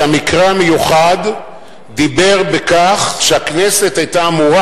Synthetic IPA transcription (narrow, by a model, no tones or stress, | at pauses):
amikʁeamejuχad̪ː | ibe̞ʁbekaχʃeaknese̞t̪ajt̪aːmuʁa